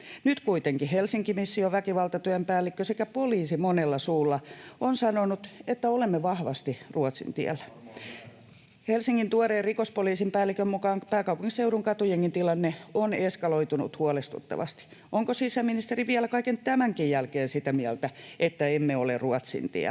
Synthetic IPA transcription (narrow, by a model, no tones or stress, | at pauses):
nyt̪kuit̪eŋkihelsiŋkimisːioʋækiʋɑlt̪ɑt̪yæmpæːlːikːøsekæpoliːsimonelːɑsuːlːɑonsɑnonut̪et̪ːæolemːeʋɑhʋɑst̪iruɑt̪sḭnt̪iæ̰lːæ | helsiŋːint̪uɑreːrikospoliːsimpæːlːikømmukɑːŋpæːkɑuwpuŋːisseuɾuŋkɑt̪ujeŋːint̪ilɑnːeoneskɑloit̪unṵt̪huɑlest̪ṵt̪ːɑ̰ʋɑ̰st̪i̥ | ʔoŋkosisæminist̪eɾiʋiælækɑikent̪æmæŋkijjælkeːnsit̪æmiælt̪æet̪ːæemːeoleruɑt̪sḭnt̪ḭæ̰